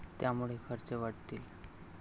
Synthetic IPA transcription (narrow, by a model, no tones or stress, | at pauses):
t̪jamuɭekʰəɾt͡seʋaʈt̪iːl